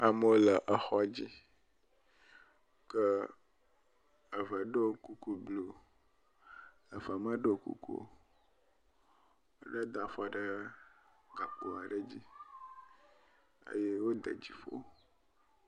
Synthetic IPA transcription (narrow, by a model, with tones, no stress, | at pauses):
a˨mə˦wo˦lə˨ʔə˨xɔ˦˨d͡ʑi˦ | kə˦ | ə˨və˨ɖə˦˨˦ku˦ku˦blo˨ | ə˨və˨mə˦ɖə˦˨kṵ˦kṵ˦˨ | ɖə˦d̪a˨fɔ˦ɖə˦ | ɡa˨ko˨a˨ɖə˦d͡ʑi˦ | ə̰˦je˦wo˦d̪ə̰˨d͡ʑi˨fo̰˦